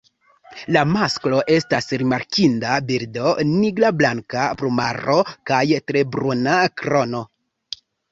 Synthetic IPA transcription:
lamasklo̞ʔe̞stasɾimaɾkindabiɾdo̞niɡlablaŋkapɾomaro̞kajtɾe̞bɾunakɾo̞no̞

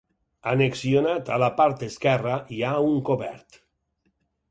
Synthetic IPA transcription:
aneksionat̪alapaɾt̪eskɛraiauŋkoβɛ̰ɾt̪

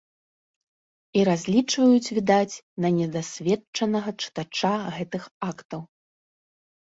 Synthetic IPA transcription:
iɾazʲlʲit͡ʂvɐjut͡sʲvʲid̪at͡sʲ | nɐnʲɛd̪asʲvʲɛt͡ʂɐnɐɣɐt͡ʂɨ̥t̪at͡ʂaɣɛt̪ɨxakt̪ɐw

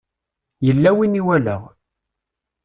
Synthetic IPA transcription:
jəlːæwiniwælə̰ʁ

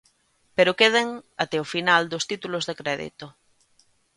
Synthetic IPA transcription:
peɾokeð̞eŋat̪eofinald̪ost̪it̪ulozðekɾɛðḭt̪o

